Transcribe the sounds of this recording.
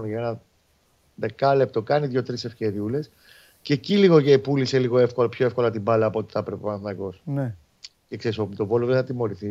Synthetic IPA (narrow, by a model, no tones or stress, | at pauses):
nʝɐenɐ | ðekɐlep̚t̪o̞kɐniðʝo̞t̪ɾise̞fce̞ɾiule̞s | ce̞ciliɣoʝepulise̞liɣo̞e̞fko̞lpçoefko̞lɐt̪ibɐlɐːpot̪i̥θɐpɾe̞penθnɐko̞sne | cekse̞ɾiso̞put̪o̞vo̞loðeθɐt̪imo̞ɾiθi